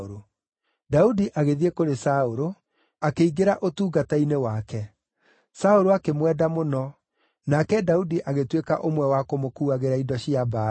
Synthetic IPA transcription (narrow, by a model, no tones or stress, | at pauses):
oɾo | daudiʔaɣeðiekoɾesaoɾo | akeiɡeɾaʔotuːɡatainewakɛ | saoɾoakemwɛdamonɔ | nakɛdaudiʔaɣetwekaʔomwɛwakomokuːaɣeɾaidɔɕiaba